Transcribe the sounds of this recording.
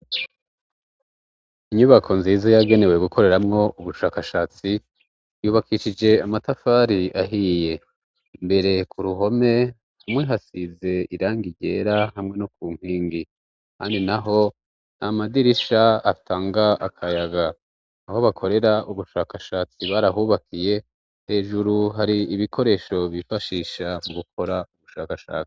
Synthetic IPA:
iɲuβakʰo̞nziːzajaɡe̞ne̞we̞ɡukʰo̞ɾe̞ɾamŋo̞uβuʃaːkaʃaːt͡si | juːβakiʃid͡ʒe̞amatafaːɾiaɦiːje̞ | mbe̞ɾe̞kuɾuɦo̞me̞ | hamweɦasize̞iɾaːŋɡiɟe̞ːɾaɦamŋe̞nukuːŋ̥iːŋɡi | kʰaːndinaɦo̞ | namadiɾiʃaatʰaːŋɡaakʰajaɡaː | ho̞βakʰo̞ɾe̞ɾaʔuβuʃaːkaʃaːt͡siβaɾaɦuːβakije̞ | he̞ːʒuɾuɦaɾiːβikʰo̞ɾe̞ːʃo̞βifaʃiːʃamuɡukʰo̞ɾauβuʃa̰ːkaʃa̰ːt͡si̥

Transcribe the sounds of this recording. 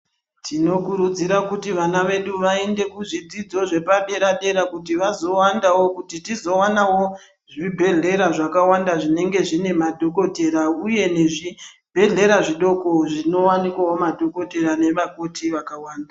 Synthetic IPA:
tʰino̞kuɾud͡ziɾakutiʋanaʋe̞ɗuʋaende̞kuʐid͡zid͡zo̞ʐe̞paɗe̞ɾaɗe̞ɾakutiʋazo̞wandawo̞kutitizo̞wanawo | ʐibʱe̞ɮe̞ɾaʐakawandaʐine̞ŋɡe̞ʐine̞madʱo̞ko̞te̞ɾauje̞ne̞ʐi | bʱe̞ɮe̞ɾaʐiɗo̞ko̞ʐino̞wanikwawo̞madʱo̞ko̞te̞ɾane̞ʋakotiʋakawaːnda

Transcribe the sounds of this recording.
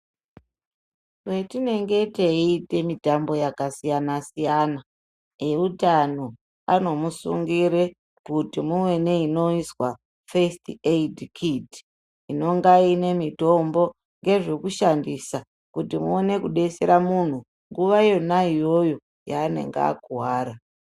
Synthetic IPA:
wetine̞ŋɡe̞te̞iite̞mitambo̞jakasijanasijana | e̞utan̤o | ano̞musṵŋɡiɾe | kutimuwe̞ne̞ino̞iswa | festedkʰiti̥ | ino̞ŋɡaine̞mito̞mbo̞ | ŋɡe̞ʐekuʃandisa | kutimuone̞kuɗe̞sḛɾamun̤u | ŋɡuʋaijo̞naijo̞jo̞ | jaːne̞̰ŋɡa̰a̰kuɦwaːɾa

